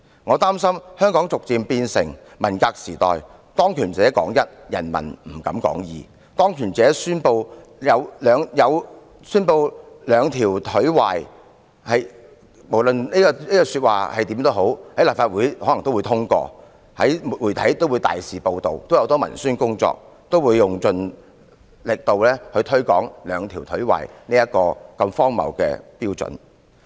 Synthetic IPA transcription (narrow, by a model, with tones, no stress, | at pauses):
ŋɔː˨˧t̪aː˥msɐ˥mhœː˥ŋkɔː˨˥ŋt͡sʊ˨k̚t͡siː˨mpiː˧nsɪ̰˨˩ŋ | mɐ˨˩nkaː˧k̚siː˨˩t̪ɔ̰ː˨j | t̪ɔː˥ŋkʰyː˨˩nt͡sɛː˨ɛ˦˥kɔ̰ː˨˥ŋjɐ˥t̚jɐ̰˨˩nmɐ̰˨˩nm̩˨˩kɐ˨˧˥mkɔ̰ː˨˥ŋjḭː˨˧ | t̪ɔː˥ŋkʰyː˨˩nt͡sɛː˨˧˥syː˥npo˧w | jɐ˨˧wlœː˨˧ŋjɐ˨˧w | syː˥npo˧w | lœː˨˧ŋt̪ʰiː˨˩wt̪ʰɵ˨˥wa̰ː˨j | hɐ˨j | mo˨˩wlɵ˨nniː˥kɔ˧niː˥kɔː˧syː˧t̚wa̰ː˨hɐ˨jt̪iː˨˥mt̪o˥wɦo˨˥whɐ˨˥jlaː˨p̚faː˧t̚wuː˨˥jhɔː˨˥lɐ˨˩ŋt̪o˥wu˨˧jt̪ʰʊ˥ŋkɔ̰ː˧ | hɐ̰˨˥jmu˨wuː˨˩jt̪ʰɐ˨˥jt̪o˥wu˨˧t̪a̰ː˨˩jsiː˨po˨wt̪o˨wt̪o˥wjɐ˧wt̪ɔː˥mɐ̰˨˩nsyː˥nkʊ˥ŋt͡sɔ̰ː˧k̚ | t̪o˥wuː˨˧jːʊ˨ŋt͡sɵ˨n | lɪ˨k̚t̪o˨wlɛː˥hɵ˧jt̪ʰɵ˥ɥkɔː˨˥ŋlœː˨˧ŋt̪ʰiː˨˩wt̪ʰɵ˨˥ɥwa̰ː˨jniː˥jɐ˥t̚kɔː˧kɐ˧mfɔː˥ŋmɐ̰˨˩wkɛ̰ː˧piː˥wt͡sɵ̰˨˥n